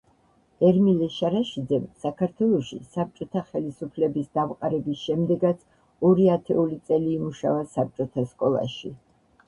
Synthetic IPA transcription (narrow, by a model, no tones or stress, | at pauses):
ɛɾmilɛʃaɾaʃid̪zɛmsakʰaɾt̪ʰwɛlˠɔʃḭsap̚t͡ʃʼɔt̪ʰaχɛlisupʰlɛbisd̪avqʼaɾɛbisʃɛmd̪ɛɡat̪sʰ | ɔɾiat̪ʰɛulit̪sʼɛliːmuʃa̰vasap̚t͡ʃʼɔt̪ʰaskʼɔlˠa̰ʃi